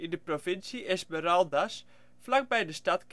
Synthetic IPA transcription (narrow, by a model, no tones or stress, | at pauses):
indəprovɪnsiʔɛsməɾaldas | flak̚bɛjdəstatk